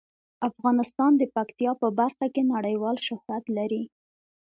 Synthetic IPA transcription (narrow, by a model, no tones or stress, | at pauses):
afɣɑnɪst̪ɑnd̪əpakt̪ijɑpəbaɾxakenaɽəjwɑlʃɪhwat̪laɾi